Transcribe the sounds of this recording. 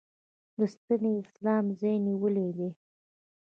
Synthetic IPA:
d̪əst̪aneɪslɑmzajniwəled̪e

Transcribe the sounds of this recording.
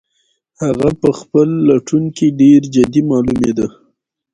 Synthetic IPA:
haɣapəxpəlːaʈuŋkiɖeɾd͡ʒad̪imɑlumed̪a

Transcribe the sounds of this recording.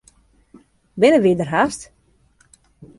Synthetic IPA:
bɪnəʋidərɦast

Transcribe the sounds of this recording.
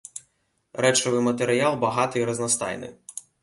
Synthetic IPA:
ɾɛt͡ʃɔʋɪjmɐt̪eɾɪalˠbɐɦɑt̪ɔiɾɐznɐst̪ɑ̰jnɪ̰

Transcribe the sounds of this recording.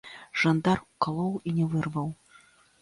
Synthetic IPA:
ʐand̪arukalˠɔwinʲɛvɨrvɐw

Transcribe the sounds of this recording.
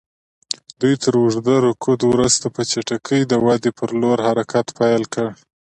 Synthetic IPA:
d̪ujt̪ʰəɾwuʐd̪aɾokʰod̪wɾəzt̪apət͡ʃaʈakʰəjd̪əwad̪epʰəɾloɾhaɾakʰat̪pajlkəɽ

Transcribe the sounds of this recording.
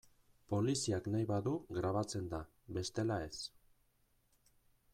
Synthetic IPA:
po̞lisiaknajβaðuɣɾaβ̞at͡se̞nd̪a | be̞st̪e̞lae̞s

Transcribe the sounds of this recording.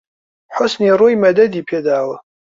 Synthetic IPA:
ħʊsniroimɐdɐd̪ipʰedaːwɐ

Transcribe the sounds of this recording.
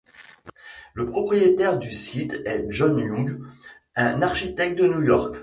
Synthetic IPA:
ləpχɔpχijet̪ɛʁd̪ysit̪ɛʒɔnjɔ̃ɡ | ɛ̃naʁʃit̪ɛk̚t̪̚d̪ənjujɔʁk

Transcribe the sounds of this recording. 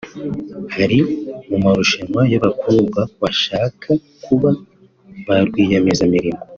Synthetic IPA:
haɾimumaɾuʃemwajoβakʰuːbɡaβaʃaːkʰa | kʰuβa | βaɾɡwiːjamezamiɾimɡo

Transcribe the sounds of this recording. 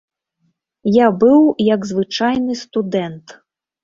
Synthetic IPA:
jabɨwjɐɡzvɨt͡ʂajnɨst̪ud̪ɛnt̪

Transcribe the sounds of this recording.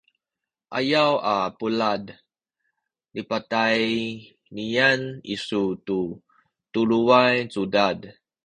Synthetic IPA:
ʔa̰jawapulad | nipataj | nianḭsutu | tuluajt͡sudad

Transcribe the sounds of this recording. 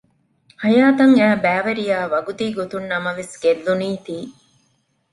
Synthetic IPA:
hɐjaːt̪ɐŋæːbæːʋɐɾijaːʋɐɡut̪iːɡot̪unːɐmɐʋesɡelːuniːt̪iː

